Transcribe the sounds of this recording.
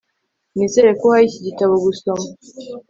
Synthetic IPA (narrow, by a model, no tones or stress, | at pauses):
nizeɾekohaiciɟitaβoɡuso̞ma